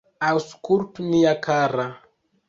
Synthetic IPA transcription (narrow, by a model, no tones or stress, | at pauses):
awskuɾtunijakʰaɾa